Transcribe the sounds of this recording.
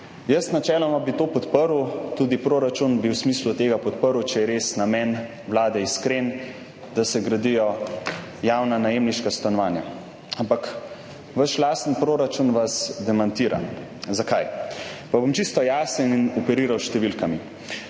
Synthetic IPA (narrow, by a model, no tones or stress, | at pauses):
jəst̪nat͡ʃɛːlɔmabit̪oːpɔt̪pəɾut̪uːd̪ipɾoːɾat͡ʃunbiwsmiːslut̪eːɡapɔt̪pəɾwt͡ʃɛjɛɾesnamɛn | wlaːd̪ɛiskɾen | d̪̥asɛɡɾad̪ijɔ | jaːwnanajemniʃkast̪anɔʋaːnja̰ | ampak | ʋəʃlaːst̪ənpɾoːɾat͡ʃunʋazd̪ɛmant̪iːɾa̰ | zakajpabomt͡ʃist̪ɔjaːsəninɔpɛɾiːɾawʃt̪ɛʋilkami